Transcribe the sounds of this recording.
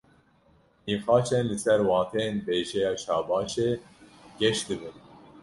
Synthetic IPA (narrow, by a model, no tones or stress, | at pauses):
nixɑːt͡ʃɛnlɨsɛɾwɑːt̪ʰɛjenbeːʒɛjɑːʃɑːbɑːʃeːɡ̥ʲɛʃd̪ɨbɨn